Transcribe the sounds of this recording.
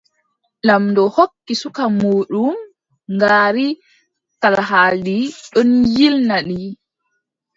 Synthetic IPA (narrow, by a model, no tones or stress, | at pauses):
lamndɔhokːisukamuːɗum | ŋɡaːɾi | talɦaːldiɗɔnjilnaɗi